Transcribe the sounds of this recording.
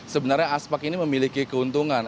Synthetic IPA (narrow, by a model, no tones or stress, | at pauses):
səbənarɲaaspɛkiniməmilikikəunt̪uŋan